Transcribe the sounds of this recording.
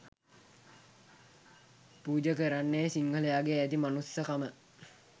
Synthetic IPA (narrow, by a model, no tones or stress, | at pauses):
puːd͡ʒəkəɾanːeːsiŋɡələjaːɡeæt̪imanusːəkamə